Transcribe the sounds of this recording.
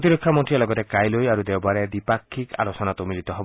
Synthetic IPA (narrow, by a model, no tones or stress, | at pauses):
t̪iɾɔkʰːamɔʈijalɔɡɔt̪ekajlojaɾud̪ɛwbaɾed̪ipakʰːika̰lɔsɔnat̪umilit̪ɔɦɔb